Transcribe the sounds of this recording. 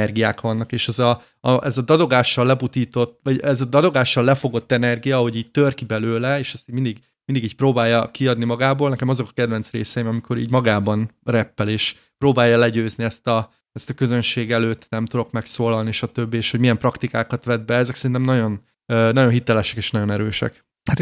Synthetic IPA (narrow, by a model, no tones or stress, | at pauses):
ɛrɡijaːkʋɒnːɒkeːʃɛzɒ | ɒʔɛzɒd̪ɒd̪o̞ɡaːʃːɒlːɛbut̪iːt̪o̞t̪ːʋɒɟɛzɒd̪ɒd̪o̞ɡaːʃːɒlːɛfo̞ɡo̞t̪ːɛnɛrɡijɒɦo̞ɟiːɟ̚t̪ørkibɛløːlɛeːʃɛst̪iːɟmind̪iɡ | mind̪iɡiːɟcproːbaːjːɒkiɒd̪nimɒɡaːboːlnɛkɛmɒzo̞kɒ̥kɛd̪vɛnt̪sreːsɛjimɒmikʰo̞ɾḭːɟmɒɡaːbɒnrɛpːɛleːʃ | proːbaːjːɒlɛɟøːzniɛst̪ɒ | ɛst̪ɒkøzønʃeːɡɛløːt̪ːnɛmt̪ud̪o̞kmɛksoːlɒlniʃɒt̪øbːieːʃhomijɛmprɒkt̪ikaːkɒt̪ʋɛd̪̚bɛɛzɛksɛɾint̪ɛmnɒɟo̞n | øːnɒjo̞nɦit̪ɛlɛʃɛkeːʃnɒɟo̞nɛɾøːʃɛ̰k | hat̪